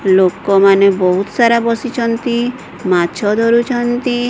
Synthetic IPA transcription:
lokɔmanebɔɦut̪saɾabɔsit͡ʃʰɔnt̪i | mat͡ʃʰɔd̪ʱɔɾut͡ʃʰɔnt̪i

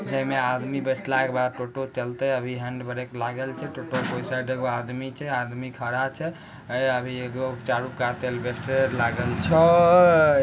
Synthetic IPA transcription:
d͡ʒəɦmead̪mibeʈʰlaekbad̪̚ʈoʈot͡ʃəlt̪ɛəbʱiɦəɳɖbəɾeklaɡəlt͡ʃʰɛʈoʈopəjsaɖeɡoad̪mit͡ʃʰɛad̪mikʰəɽat͡ʃʰɛ | əbʱieɡot͡ʃaɾukat̪elbesʈelaɡəlt͡ʃʰɔ

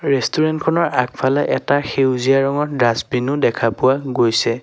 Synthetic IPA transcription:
ɹestuɹɛntkʰɔnɔɹak̚pʰalɛʔɛtaxewziaɹɔŋɔtdasbinʊdɛkʰapʊwaɡojsɛ

